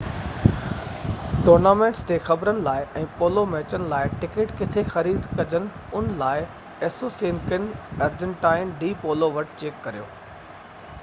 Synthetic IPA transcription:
ʈoːɾnaːmẽːɳʈst̪eːxɐbɾənɪ̆laːɪʔɛ̃ːpoːlomẽɐt͡ɕənɪ̆laːɪʈɪkeʈkɪt̪ʰexɐɾiːd̪ʱkɐd͡ʑənɪ̆ʊnlaːɪ | eːsoːsiːnkɪnɐɾd͡ʑə̃ɳʈaːɪnɖiːpoːloʋɐʈt͡ɕeːkːɐɾijo̰ː

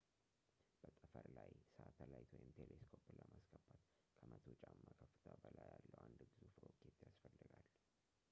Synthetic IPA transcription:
b̥ət̪ʼəfəɾlajsəʔat̪ʰəlajt̪ʰwɔjɪmt̪ʰeleskʰopləmaskʰəbat̪ | kʰəmʔət̪ʰot͡ʃʼamːakʰəfːɨ̥t̪ʰəbəlajalːəwand̪bɨzufɨɾokʰet̪jasfəlːɨɡal

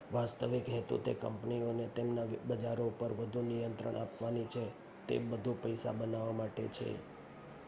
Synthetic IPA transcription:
ʋast̪əʋikɦɛt̪ṵt̪ekə̰mpnionet̪emnabəd͡ʒaɾoupəɾʋəd̪ʱunijənt̪ɾə̰ɳʔapʋanit͡ʃʰe | t̪ḛbəd̪ʱupəjsa̰bənaʋamaʈḛt͡ʃʰḛ

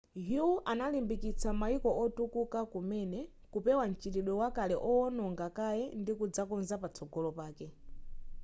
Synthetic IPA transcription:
ɦuʔanalimbikit͡sʰamaikɔʔɔtukukakumɛnɛ | kupɛwan̩t͡ʃitiɗɔwakalɛʔɔɔnɔŋɡakajɛndikud͡zakɔnzapat͡sʰɔɡɔlɔpaːkɛ

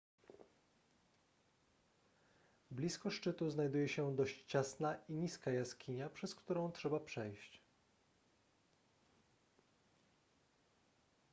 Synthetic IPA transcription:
blʲiskɔʂt͡ʂɘt̪uznajd̪ujɛɕɛd̪ɔɕt͡ɕt͡ɕasnaʔiɲiskajaskʲʰiɲapʂɛskt̪uɾɔ̃w̃tʂɛbapʂɛjɕt͡ɕ

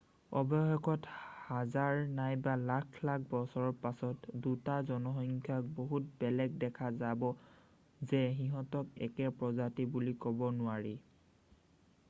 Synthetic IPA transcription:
ɔbɔjxɔkɔthazaɹnajbalakʰlak̚ʰbɔsɔɹɔɹpasɔtdutazɔnɔxɔŋkʰjak̚boɦut̚bɛlɛk̚dɛkʰazabɔ | zɛxiɦɔtɔkɛ̰kɛpɹɔzatibulikɔbɔnʊaɹi

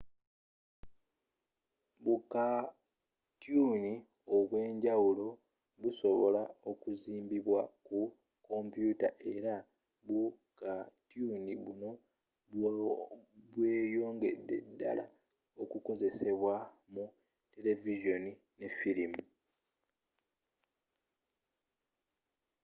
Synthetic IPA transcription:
βuka | tjuni | o̞βwe̞ːɲɟawulo̞ | βuso̞βo̞lao̞kuziːmbiβwaku | ko̞mpjuːtaʔe̞ɾa | βu | katuniβuno̞ | βwe̞ːjo̞ːŋɡe̞̰dːe̞̰dːa̰la̰ | o̞kuko̞ze̞se̞βwa | mu | te̞le̞viʒo̞ni | ne̞filimu

